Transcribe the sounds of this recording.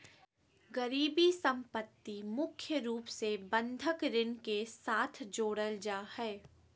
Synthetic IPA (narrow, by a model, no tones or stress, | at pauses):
ɡəɾiːbisɐ̃mpət̪ːimʊkʰjəɾuːpsebə̃nd̪ʱəkɾɪnkesaːt̪ʰd͡ʒoːɽəld͡ʒaːhɛː